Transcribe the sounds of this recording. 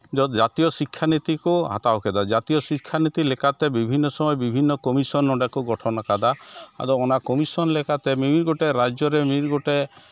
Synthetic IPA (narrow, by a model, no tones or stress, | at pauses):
d͡ʒɔd͡ʒat̪ijɔsikʰːanit̪ikuɦa̰t̪aoked̪ad͡ʒat̪ijɔsikʰːanit̪ilekat̪ebibʱinːɔsɔmɔjebibʱinːɔkɔmisɔnːɔɖakuɡɔʈʰɔnɔkad̪aa̰d̪ɔɔnakɔmisɔnlekat̪emiɾɡoʈeɾad͡ʒjɔɾemiɾɡoʈe